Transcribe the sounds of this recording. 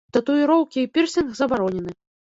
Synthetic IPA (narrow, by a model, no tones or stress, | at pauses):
t̪ɐt̪uiɾɔwkʲiːpʲirsʲinɣzɐbaɾɔnʲɛnɨ